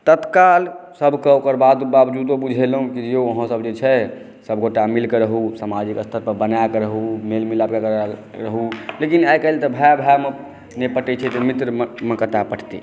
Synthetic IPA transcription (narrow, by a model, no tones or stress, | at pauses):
t̪ət̪kalsəbʱkeokəɾbad̪babd͡ʒud̪obud͡ʒʱelɦũkid͡ʒeəɦə̃səbd͡ʒet͡ʃʰɛ | səb̚ʱɡoʈamilkeɾəɦusamad͡ʒikəst̪ʰəɾpəɾbənajkeɾəɦumelmilabkekɾɾəɦulekinajkəlt̪ɔbʱajbʱame | nepəʈɛt͡ʃʰɛt̪ɔmit̪ɾəmekət̪apəʈʰt̪i